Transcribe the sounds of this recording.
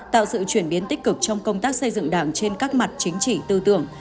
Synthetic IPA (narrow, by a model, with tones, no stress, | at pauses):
t̪a̰ː˧˨wsɨ̰˧˨t͡ɕwi˧˩ənɓi˨˦ənt̪ï˦˥k̟̚kɨ˨˩k̚t͡ɕɔ˧wŋ͡mkə˧wŋ͡mt̪aː˦˥k̚sə˧jzɨ̰˧˨ŋɗaː˧˩ŋt͡ɕe˧nkaː˦˥k̚ma˨˩t̚t͡ɕï˨˦ŋ̟t͡ɕḭ˧˨t̪ɨ˧t̪ɨ̰˧˩əŋ